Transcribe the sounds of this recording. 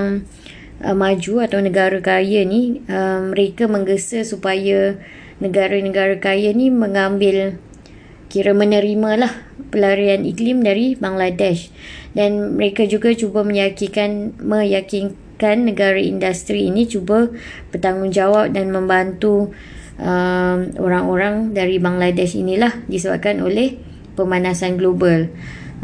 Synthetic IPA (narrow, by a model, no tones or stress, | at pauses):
ŋ | ʔəmad͡ʒuat̪awnə̃ɡaɾakajaniʔəmːəɾekamə̃ŋɡəsəsupaja | nəɡaɾanəɡaɾakaɾjanĩməŋambɪl | kiɾamənə̃ɾimãlah | pəlaɾianḭklimdaɾibaŋladɛʃdanməɾekad͡ʒuɡat͡ʃubamə̃jakikanmə̃jakin | kanːəɡaɾaḭndast̪ɾiːnĩt͡ʃuba | b̥ərt̪aŋʊnd͡ʒawap̚danmə̃mbant̪u | ʔəmo̰ɾaŋoɾaŋdaɾibaŋladɛʃḭnĩlahdisəba̰p̚kanolɛh | pəmanãsanɡlobal